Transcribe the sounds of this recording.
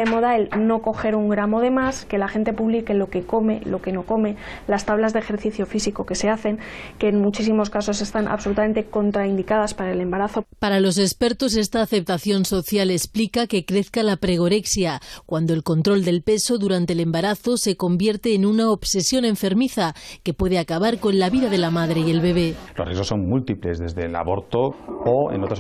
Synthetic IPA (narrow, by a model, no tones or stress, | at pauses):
emo̞ðaelno̞ko̞xe̞ɾuŋɡɾamo̞ðe̞maske̞laxe̞nt̪e̞puβlike̞lo̞ke̞ko̞me̞lo̞ke̞no̞ko̞me̞last̪aβlazðexe̞ɾθiθjo̞fisiko̞ke̞se̞aθe̞ŋke̞ːnmut͡ʃis̬imo̞skaso̞s̬e̞st̪anʔa̰βso̞lut̪ame̞nt̪e̞ko̞nt̪ɾaind̪ikaðaspaɾaele̞mbaɾaθo̞paɾalo̞se̞spe̞ɾt̪o̞s̬e̞st̪aːθe̞p̚t̪aθjo̞nsoθjale̞splikake̞kɾe̞θkalapɾe̞ɣ̞o̞ɾe̞ksjakwand̪oe̞lko̞nt̪ɾo̞ld̪e̞lpe̞so̞ðuɾant̪ele̞mbaɾaθo̞se̞ko̞mbje̞ɾt̪e̞ːnunaoβse̞sjo̞ne̞ɱfe̞ɾmiθake̞pwe̞ð̞e̞akaβaɾko̞nlaβiðaðe̞lamaðɾe̞ie̞lβe̞β̞e̞lorezo̞sːo̞mmult̪iplezðe̞zðe̞la̰βo̞ɾt̪oːḛnot̪ɾa